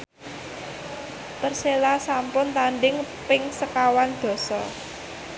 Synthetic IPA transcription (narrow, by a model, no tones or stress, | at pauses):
t̪ərselasampʊnt̪aɳɖɪŋpɪŋsəkawand̪̥ɔ̤sɔ